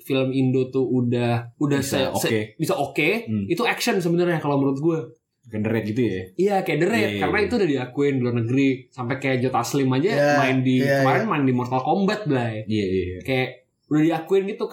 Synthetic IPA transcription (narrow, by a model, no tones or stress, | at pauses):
filəmindot̪uudahudahsəsəebisaʔokeit̪uɛkʃəns̬əbənərɲakaloməɾuʊt̪̚ɡua | kajadəɾɛt̪̚ɡit̪ujaijakajaʔdəɾɛt̪̚kanait̪uːdahdiakuɪndluarnəɡəɾisampɛkajaʔd͡ʒɔt̪aslɪmad͡ʒaəmaɪndikəmaɾɪnmaɪndimɔrt̪alkombat̪̚bəlajiakajaʔ | udahdiakuɪnɡit̪u